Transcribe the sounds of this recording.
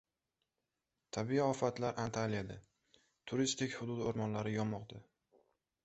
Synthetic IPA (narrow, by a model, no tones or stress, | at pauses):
t̪ʰabiiɒfat̪laɾʔant̪ʰalijad̪a | t̪ʰʊɾist̪ɪkʲhʊd̪ʊd̪oɾmɒnlaɾɪjɒmːɒqd̪a